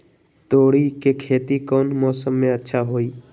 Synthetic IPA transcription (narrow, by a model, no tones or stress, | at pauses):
t̪oːɽikekʰeːt̪ikɔːnmɔːsəmːẽətːʃʰaɦoːiː